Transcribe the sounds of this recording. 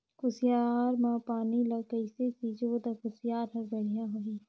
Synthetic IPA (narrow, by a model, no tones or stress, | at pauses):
kʊsijaːɾmãpaːnilɐkəisesid͡ʒoːd̪ɐkʊsjaːɾɦɐɾbɐɽ̤ijãɦoiː